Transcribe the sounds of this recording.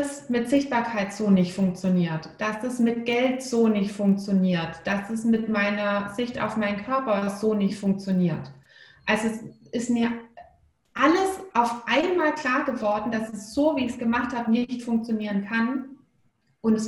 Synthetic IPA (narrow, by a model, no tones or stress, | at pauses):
smɪtz̥ɪçt̚b̥aːɐkʰaɪtz̥oːnɪçtfʊŋk̚t͡sjoniːɐtd̥asd̥asmɪtɡ̥ɛltz̥oːnɪçtfʊŋk̚t͡sjoniːɐtd̥asd̥ɛsmɪtmaɪnɐzɪçta̰ʊfmaɪnənkʰœɐpɐzoːnɪçtfʊŋk̚t͡sjoniːɐt | ʔalzoɛsʔɪstmiːɐ | ʔaləsʔaʊfʔaɪnmaːlkʰl̥aːɐɡəvɔɐdn̩d̥asɛsz̥oːviːɪçsɡ̥əmaχthaːbənɪçtfʊŋk̚t͡sjoniːʁ̞ənkʰan | ʔʊntɛs